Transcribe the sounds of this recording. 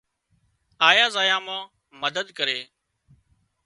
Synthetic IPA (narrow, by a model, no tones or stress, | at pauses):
aːjaːzaːjãːmãː | məd̪əd̪kəɾeː